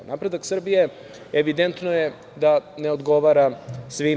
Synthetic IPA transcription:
nʔapɾe̞d̪aksr̩bije̞ | eʋid̪ent̪noje | d̪aneod̪ɡo̞ʋaːɾasʋi

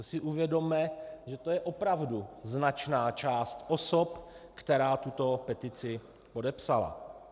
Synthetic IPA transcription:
sɪʔuvjɛdo̞mɛʒɛt̪ojɛʔopɾavduznat͡ʃnaːt͡ʃaːst̪ʔosopkt̪ɛɾaːt̪ut̪o̞pɛt̪ɪt͡sɪ | podɛpsala̰

